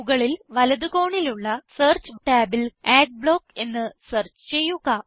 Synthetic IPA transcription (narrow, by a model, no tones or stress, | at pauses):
ɣɐɭilʋɐlɐðuko̞ːɳiluɭːɐseːrt͡ɕɨʈaːbileːɖ̚bɭo̞ːke̞nːɨsɐrt͡ɕɨ̥t͡ɕe̞jːuɣɐ